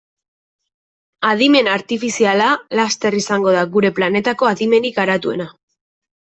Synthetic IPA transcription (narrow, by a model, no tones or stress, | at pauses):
aðime̞naɾt̪ifisialalast̪e̞risaŋɡo̞ð̞aɣuɾe̞plane̞t̪ako̞aðime̞nikaɾat̪ue̞̰na